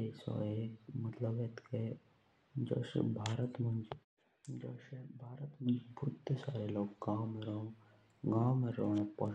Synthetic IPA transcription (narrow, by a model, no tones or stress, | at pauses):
esɔ̰eːkmɐt̪ləbet̪ke | d͡ʒo̰ʃḛbʱaːɾət̪mɐnd͡ʒ | d͡ʒoʃebʱaːɾət̪mə̃d͡ʒbʱʊt̪ːesaːɾeloːɡɡaːmeɾoõ | ɡaːmeɾonpə